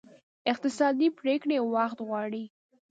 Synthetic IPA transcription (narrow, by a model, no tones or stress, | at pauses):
ɪq̚t̪ɪsɑd̪ipɾekɽewaxt̪ɣwɑɽi